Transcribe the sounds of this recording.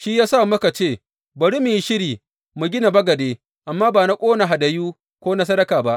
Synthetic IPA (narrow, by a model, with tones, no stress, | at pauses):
ʃiː˦jaː˦sa˦˨mɐ˦ka˨t͡ʃeː˦˨ | bɐ˨ɾi˦mi˨ji˦ʃɪ˦ɽiː˨ | mu˨ɡʲɪ˦na˨bɐ˦ɡɐ˨deː˦ | ʔa˨mːaː˦baː˨na˦kʷʼoː˦na˨ɦa˨dɐ˨juː˦ | kʷoː˦na˦s̬ɐ˦dɐ˦kaː˨ba˦ʔ